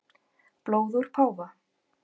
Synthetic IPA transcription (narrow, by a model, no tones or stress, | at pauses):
ploːwðuɾ̥pʰaːwva